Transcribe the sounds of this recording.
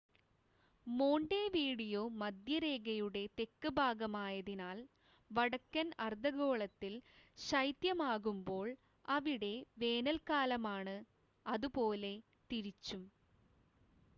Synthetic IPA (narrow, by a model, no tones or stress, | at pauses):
mo̞ːɳɖeːʋiːɽijoːmɐd̪jɐɾe̞ːɡɐjuɽe̞t̪e̞kːɨbʱaːɡɐmaːjɐðinaːl | ʋɐɽɐkːɐnɐrd̪ʱɐɣo̞ːɭɐt̪ːilɕɐjt̪jɐmaːɣumbo̞ːɭ | ɐʋiɽe̞ʋe̞ːnɐlkaːlɐmaːɳɨ | ɐðupo̞ːle̞ | t̪iɾit͡ɕːum